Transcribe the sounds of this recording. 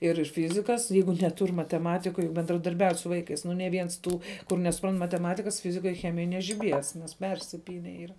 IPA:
ɪr ˈfʲɪzʲɪkɐs ˈjɛɪɡʊ nʲɛˈtʊrʲ mɐtʲɛˈmɑːtʲɪkoːj bʲɛndrɐdɐrʲˈbʲɛʊtʲ sʊ ˈʋɐɪkɐɪs nʊ nʲɛ ˈʋʲiɛns ˈtuː kʊr nʲɛsʊˈprɐnt mɐtʲɛˈmɑːtʲɪkɐs ˈfʲɪzʲɪkoːj ˈxʲæːmʲɪjoːj nʲɛʒʲɪˈbʲiɛs nʲɛs ˈpʲɛrʲsʲɪpʲiːnʲɛ ˈiːrɐ

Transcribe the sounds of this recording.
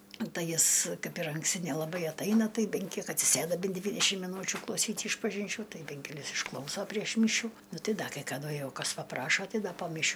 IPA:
ˈtɐɪ ˈjɪs ˈkɐɪp ɪr ɐŋksʲˈtʲɪ nʲɛlˠɐˈbɐɪ ɐtˈɐɪnɐ ˈtɐɪ ˈbʲɛn ˈkʲiɛk ɐtʲsʲɪˈsʲeːdɐ ˈbʲɛn ˈdʲʋʲiːdʲɛʃʲɪm mʲɪˈnuːt͡ʃʲʊ klˠɐʊˈsʲiːtʲ ɪʃpɐʒʲɪnʲˈt͡ʃʲuː ˈtɐɪ ˈbʲɛn kʲɛˈlʲɪs ɪʃˈklˠɐʊsoː pʲrʲiɛʃ ˈmʲiːʃʲuː ˈnʊ ˈtɐɪ ˈdɐ kɐɪ kɐˈdʊ ˈjɛʊ ˈkɐs pɐˈprɑːʃoː ˈtɐɪ ˈdɐ poː mʲɪˈʃʲuː

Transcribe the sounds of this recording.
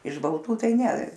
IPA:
ɪʃ bɐlˠˈtuː ˈtɐɪ ˈnʲɛ

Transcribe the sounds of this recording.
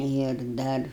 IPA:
ɪr ˈdɐr

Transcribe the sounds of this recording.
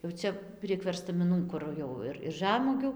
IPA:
jɛʊ ˈt͡sʲɛ pʲrʲiɛk ʋʲɛrstɐmʲɪˈnuː kʊr ˈjɛʊ ɪr ɪr ˈʒɑːmuɔɡʲuː

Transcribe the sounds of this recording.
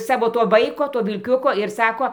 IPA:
ˈsɑːʋoː ˈtoː ˈʋɐɪkoː ˈtoː ʋʲɪlʲˈkʲʊkoː ɪr ˈsɑːkoː

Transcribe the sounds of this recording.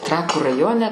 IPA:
ˈtrɑːkuː rɐˈjoːnʲɛ

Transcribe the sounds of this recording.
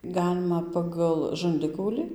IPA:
ˈɡɑːlʲɪmɐ ˌpɑːɡɐlˠ ʒɐnʲˈdʲɪkɐʊlʲiː

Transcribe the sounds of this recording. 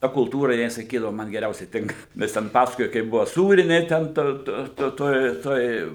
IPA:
ˈtɐ kʊlˠˈtuːrɐ ˈjɪnɐɪ sɐˈkʲiːdɐʋʊ ˈmɐn ɡʲɛˈrʲɛʊsʲɛɪ ˈtʲɪŋkɐ ˈʋʲɪs tʲɛn ˈpɑːsɐkoːjɛ kɐɪp ˈbʊʋoː ˈsuːrʲɪnʲeː ˈtʲɛn toː toː ˈtoːj ˈtoːj

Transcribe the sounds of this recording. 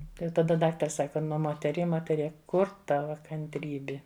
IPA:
tɐɪ jɛʊ tɐˈdɐ ˈdɑːktɐrs ˈsɑːkɐ ˈnʊ moːtʲɛˈrʲiɛ moːtʲɛˈrʲiɛ ˈkʊr ˈtɑːʋɐ kɐnʲtʲˈrʲiːbʲɪ

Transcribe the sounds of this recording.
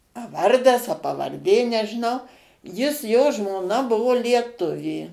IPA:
ɐ ˈʋɐrdɐs ɐ pɐʋɐrʲˈdʲeː nʲɛʒʲɪˈnɐʊ ˈjɪs joː ʒmoːˈnɐ ˈbʊʋoː lʲiɛˈtʊʋʲeː

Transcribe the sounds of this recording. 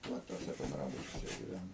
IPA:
ˈʋɐ tuɔˈsʲɛ bʲɛnˈdrɑːbʊt͡ʃʲuɔsʲɛ ɡʲɪˈʋʲænoːm

